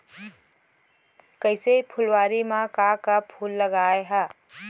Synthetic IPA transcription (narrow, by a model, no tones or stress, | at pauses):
kəɪsepʰʊlwaːɾimãkakapʰulːəɡaːeɦɛ